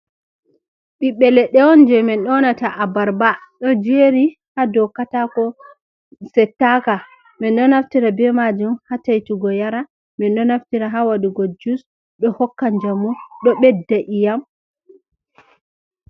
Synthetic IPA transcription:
ɓiɓːɛlɛɗɛwɔnd͡ʒɛmɛnɗɔnataʔabaɾbaɗɔd͡ʒeɾi | hadɔkatakɔ | sɛtːaka | mɛnɗɔnaftiɾabɛmad͡ʒumhatajtuɡɔjaɾa | mɛnɗɔnaftiɾaɦawaɗiɡɔd͡ʒus | ɗɔhɔkːand͡ʒamuɗɔɓɛdːaʔijam

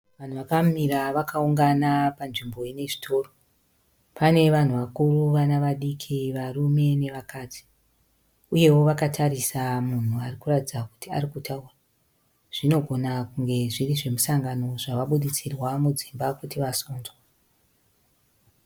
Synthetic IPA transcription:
ʋan̤uʋakamiɾaʋakauŋɡanapanʐimbo̞jene̞ʐi̥tʰo̞ːro̞ | pane̞ʋan̤uʋakuruʋanaʋaɗikʰiʋarume̞ne̞ʋakaːtʰi̥ | uje̞wo̞ʋakatʰaɾisamun̤uarikuratid͡zaku̥tia̰ɾikutʰaura | ʐ̥ino̞ɡʱo̞nakuŋɡe̞ʐiriʐe̞musaŋɡano̞ʐaʋaɓuɗit͡sirwamud͡zimbakutiʋasoːnzwa

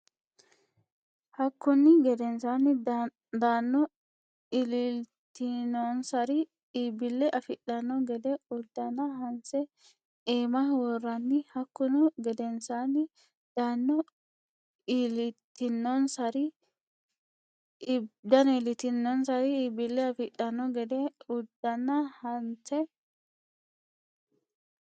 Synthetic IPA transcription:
hɐkːʊnːɪɡɛd̪ɛnsanːɪ | d̪anːɔ | ɪlɪ | t̪ɪnɔnsɐɾɪ | iːbɪlːɛʔɐfɪɗɐnːɔɡɛd̪ɛʊd̪ːɐnɐhɐnsɛ | eːmɐwɔrːɐnːɪhɐkːʊnɔɡɛd̪ɛnsanːɪ | d̪̥anːɔ | ilɪt̪ːɪnːɔnsɐɾɪ | d̪ɐnelɪt̪ɪnːɔnsɐɾɪibɪlːɛɐfɪᶑːɐnːɔɡɛd̪ɛʊd̪̥ːɐnːɐhɐnsɛ

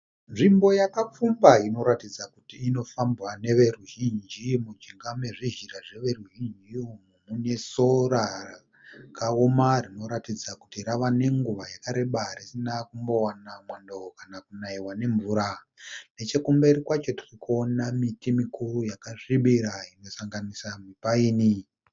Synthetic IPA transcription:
nʐimbo̞jakap͡fumbaino̞ɾatid͡zakutiːno̞fambwane̞ʋe̞ruʒind͡ʒimud͡ʒiŋɡame̞ʐiʒiraʐe̞ʋe̞ruʒind͡ʒimumune̞so̞rara | kaomarino̞ɾatid͡zakutiɾaʋane̞ŋɡuʋajakaɾeɓarisinakumbo̞wanamwandookanakunaiwane̞ɱvuːɾa | ne̞t͡ʃe̞kumberikwat͡ʃo̞tirikonamitimikurujakaʐiɓiɾaino̞saŋɡanisamipaiːni

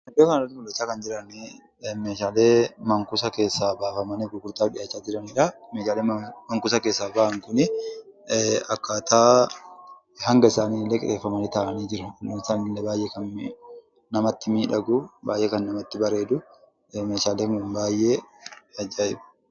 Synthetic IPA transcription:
ɐd̪ːoːkɐnɾɐt̪ɪmʊlːɛt͡ʃːaːkɐnd͡ʒɪɾɐnɪ | meːʃaːleːmɐŋkʊsɐke̞ːsːaːbaːfɐmɐniɡʊɡʊɾt̪aːᶑɪjat͡ʃːaːd͡ʒɪɾɐnɪᶑɐmeːʃaːleːmɐŋkʊsɐke̞ːsːaːbaːʔɐŋkʊnɪ | ɐkːaːt̪ʰaː | hɐŋɡɐɪsaːniːɪlːekʼɪ̰ɾeːfːɐmɐnit̪aːʔɐniːd͡ʒɪɾɐnɐmɪsaːnlːebaːjʔekɐn | nɐmɐt̪ːɪmiːᶑɐɡʊba̰ːjʔeːkɐnːɐmɐt̪ːɪbɐɾe̞ːd̪ʊ | me̞ːʃaːleːŋʊːnbaːjʔeːɐd͡ʒːaːɪbɐ̥

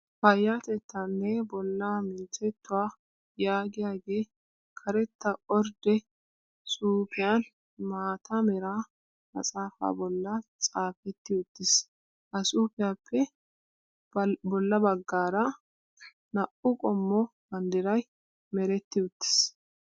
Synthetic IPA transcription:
fɐjːat̪ɛt̪ːanːɛbɔlːamɪnt͡sɛt̪ːʊwaː | jaːɡɪjaːɡe̞ː | kʰɐɾɛt̪ːɐʔɔɾd̪ɛ | suːpʰɪjan | maːt̪ʰɐmɛɾaː | mɐ̰sʼaːfa̰ːbɔlːɐt͡sʼaːfɛt̪ːɪʊt̪ːɪs | ʔɐsuːpɪjaːpʰːɛ | bɔlːɐbɐɡːaːɾɐ | nɐʔʊkʼɔmːɔbɐnd̪ɪɾɐj | mɛɾɛt̪ːɪʊt̪ːɪ̥s

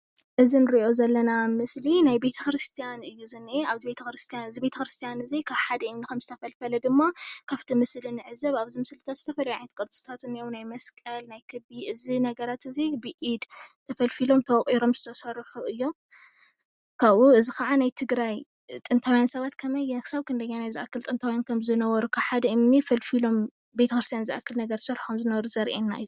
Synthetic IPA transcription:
ʔɨzinɨɾiʔo̞zɐlːɐnamɨslinajbe̞t̪ʰɐkɾɨst̪ʰijanɨjːuzɨneaβzibe̞t̪ʰɐkɾɨst̪ʰijanɨzibe̞t̪ʰɐkɾɨst̪ʰijanɨzikʰaβħad̪ɐʔimnikʰɐmzɨt̪ʰɐfɐlfɐlɐd̪ɨmːakʰaβt̪ʰimɨslɨnɨʕɨzɐβaβzimɨslɨt̪ʰat̪zɨ̥t̪ʰɐfɐlɐjaʕnt̪̚kʼɨɾt͡sʼɨ̥t̪ʰat̪ɨnijownajmɐskʼɐlnajkʰɨbiʔɨzinɐɡɐɾat̪ɨzibɨʔid̪t̪ʰɐfɐlfilo̞mt̪ʰɐwχʼiɾo̞mzɨt̪ʰɐsɐrħuɨjːo̞m | kʰaβʔuɨzikɐʕanajt̪ʰɨɡɾaj | t̪ʼɨnt̪ʰawjansɐβat̪kʰɐmɐjːɛnkʰɨ̥saβkʰɨnd̪ɐɲːanajzɨʔakʰːɨlt̪ʼɨnt̪ʰawjankʰɐmzɨnɐwɐɾukʰaħad̪ɐɨmnifɐlfilo̞m | be̞t̪ʰɐkɾɨst̪ʰjanzɨʔa̰kːɨlnɐɡɐɾsɨɾħomzɨnɐwɾuzɐɾʔḛnːa̰ju

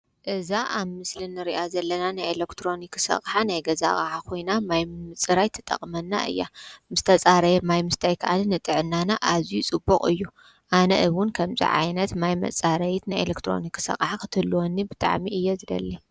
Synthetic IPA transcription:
ʔɨzaʔaβmɨslinɨɾiʔazɐlːɐnanajelekt̪ʰɾo̞nikːsɐ̰χʼħanajɡɐza̰χʼʕakʰo̞jnamajmɨt͡sʼɨɾajt̪ʰɐ̥t̪ʼɐ̰χʼmɐnːa̰ʔɨ̰jːa̰mɨst̪ʰɐt͡sʼaɾɐjmajmɨst̪ʰajkʰɐʔanɨnɨt̪ʼɨʕɨnːanaʔazijut͡sʼɨbukʼɨjːu | ʔanɐ̰ʔɨβwʊnkʰɐmzḭʕa̰jnɐt̪majmɐ̰t͡sʼaɾɐjit̪najelekt̪ʰɾo̞̰nikːsɐ̰χʼħakʰɨ̥t̪ʰɨhlːuwonːibɨt̪ʼa̰ʕmiʔɨjːozɨlɐ̰lːi

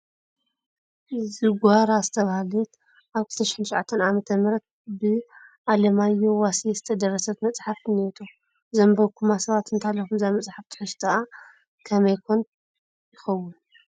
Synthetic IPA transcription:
zɨɡʷaɾazɨt̪ʰɐβahalɛt̪ | ʔaβkʰɨlt̪ʰɐʃɪ̥ħɨnt̪ʃʕat̪ʰːɐnʔamɐt̪ʰɐmɾɐt̪̚bɨʔalɐmajowasiezɨt̪ʰɐd̪ɐrːɐsɐt̪mɐt͡sʼħafɨnet̪ʰo | zɐmbɐβkʰumasɐβat̪ɨnt̪ʰalːɐxumzajmɐt͡sʼħaft̪ʰɨ̥ħɨst̪ʰaa | kʰɐmɐjkʰon | jɪxɐwːun

